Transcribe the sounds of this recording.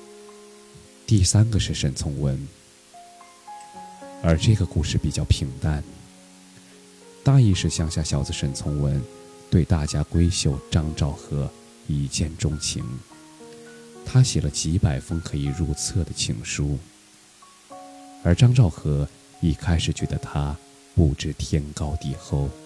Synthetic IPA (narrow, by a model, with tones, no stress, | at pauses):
t̪i˥˩sa˥nɡə˨˧ʂɻ̩˥˩ʂə˨˩nt͡sʰʊ˧˥ŋwə˧˥n | ə˞˧˥ʈ͡ʂɤ˥˩ɡə˩ku˥˧ʂɻ̩˥˩pi˨˩t͡ɕjɑ˥˩ʊpʰi˨˩ŋt̪a˥n | t̪a˥˧i˥˧ʂɻ̩˥˩ɕjɑ˥˧ŋɕja˥˩ɕjɑ˨˩ʊd͡z̩˧ʂə˨˩nt͡sʰʊ˧˥ŋwə˧˥n | t̪we˥˧ɪt̪a˥˩t͡ɕja˥kwe˥ɪɕjo˥˩ʊʈ͡ʂɑ˥ŋʈ͡ʂɑ˥˩ʊxɤ˧˥ | i˧˩t͡ɕjɛ˥˩nʈ͡ʂʊ˥ŋt͡ɕʰḭ˧˥˦ŋ | t̪ʰa˥ɕjɛ˨˩lə˦t͡ɕi˧˥pa˨˩ɪfɤ˥ŋkʰɤ˧˥i˨˩ɻu˥˧t͡sʰɤ˥˩d̪ə˩t͡ɕʰḭ˨˩ŋʂu˥ | ə˞˧˥ʈ͡ʂɑ˥ŋʈ͡ʂɑ˥˩ʊxɤ˧˥ | i˥˩kʰa˥ɪʂɻ̩˨˩t͡ɕɥɛ˧˥d̪ə˧t̪ʰa˥ | pu˨˩ʈ͡ʂɻ̩˥˧t̪ʰjɛ˥nkɑ˥ʊt̪i˥˧xo˥˩ʊ